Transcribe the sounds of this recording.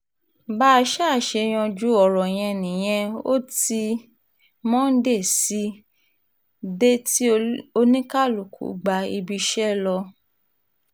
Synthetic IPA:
ba˦˧ʃa˦˨ʃe˧j̃ɔ̃˧d͡ʒu˦ɔ˨ɾɔ˨j̃ɛ̃˧nĩ˨j̃ɛ̃˧o̰˦ti˧ | mɔ̃˦n̩˦de˦˨si˨˦ | de˦ti˦o˧nĩ˦ka˦˨lu˨kʰṵ˨˦ɡ͡ba˧i˧bi˧ʃɛ˦lɔ˧

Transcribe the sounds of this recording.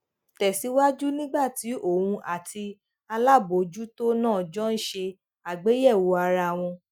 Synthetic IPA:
tɛ˨si˨˦wa˦d͡ʒu˦nĩ˦ɡ͡ba˦˨ti˨˦ʔo˦˨wũ˧ʔa˨tʰi˧ | a˧la˦˨bo˨d͡ʒu˦to˦nãː˦˨d͡ʒɔ˦n̩˦ʃe˧ | a˨ɡ͡be˨˦jɛ˦˨wo˨˦a˧ɾa˧˨w̃ɔ̃˧

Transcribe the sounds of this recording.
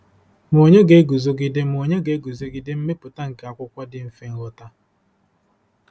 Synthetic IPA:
m˨o˨ɲe˦ɡe˨˦ɡu˨zo˦ɡɪ˦de˦m̩˨o˨ɲe˦ɡe˨˦ɡu˨zo˦ɡɪ˨dɪ˦m̩˦me˦pʊ˨ta˦ŋ̩˨ka˨a˨kʷʊ˦kʷa˦dɪ˦m̩˦fe˦ŋ̩˦ɣʊ˦ta˦

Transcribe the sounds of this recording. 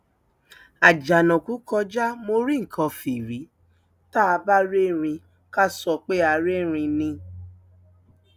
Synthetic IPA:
a˨d͡ʒa˨nɔ̃˨ku˨˦kɔ˧d͡ʒa˦mo˧ɾi˦ŋ̩˨kʰã˧fi˨ɾi˨˦ | ta˦a˧ba˦ɾe˦˨ɾ̃ĩ˧ | ka˦sɔ˧k͡pe˦a˧ɾe˦˨ɾ̃ĩ˧nĩ˧

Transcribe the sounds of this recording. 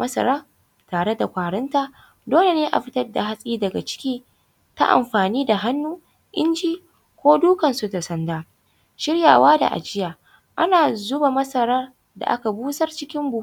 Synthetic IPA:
mɐ˦sɐ̰˨ɾaː˦ | taː˨ɽe˦da˨kʷaː˨ɽɪ˦nta˦ | doː˦le˨neː˦ʔa̰˨ɸɪ˦tɐ˦rda˨ɦa˦sʼiː˦dɐ˨ɡa̰˨t͡ʃɪ̥˦kʲiː˦ | ta̰˦ʔa̰˨mɸaː˨niː˦da˨ɦa˦nːuː˦ | ʔɪ̰˦nd͡ʒiː˦ | kʷoː˦duː˦kɐ˨nsu˨ta˨sɐ˦ndaː˦ | ʃɪ˦ɽja̰ː˨waː˦da̰˨ʔa̰˨d͡ʒɪ˦jaː˨ | ʔa˦naː˨zʊ˦ba˨mɐ˦sɐ˨ɾaː˦ | da̰˨ʔa̰˦ka˨buː˦sɐ˦rt͡ʃɪ˦kʲɪ˦mbu˦

